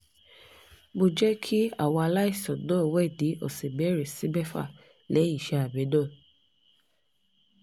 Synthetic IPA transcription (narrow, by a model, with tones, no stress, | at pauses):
bo˧d͡ʒɛ˦kʰi˦a̰˦˨wɔ̃˧a˧la˦i˦˨sɔ˨dɔ˨˦˨wɛ˦˨di˨˦ɔ̰˨se˨bɛ˨˦ɾe˨si˦bɛ˦fa̰˦˨ | lɛ˨˦i˦˨ʃɛ˧a˨bɛ˨˦dɔ˦˨